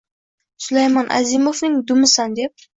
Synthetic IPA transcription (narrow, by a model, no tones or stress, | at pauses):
sʊlajmɒnʔa̰zimofnɪŋd̪ʊmɪsand̪e̞p̚